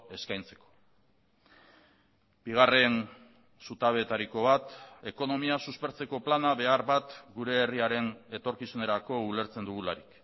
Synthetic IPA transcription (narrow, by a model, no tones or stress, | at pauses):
e̞skajnt͡se̞̥ko̥ | biɣ̞are̞n | sut̪aβe̞ːt̪aɾiko̞βat̪e̞ko̞no̞miasuspe̞ɾt͡se̞ko̞planaβe̞aɾβat̪ɡuɾe̞ːriaɾe̞ne̞t̪o̞ɾkisune̞ɾako̞ule̞ɾt͡se̞nd̪uɣulaɾik